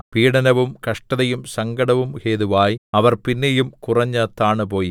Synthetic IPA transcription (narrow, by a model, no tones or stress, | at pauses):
piːɽɐnɐʋumkɐʂʈɐðɐjumsɐŋɡɐɽɐʋumheːðuʋaːjɐʋɐrpinːejumkurɐɲːɐt̪ːaːɳɨp̬o̞ːji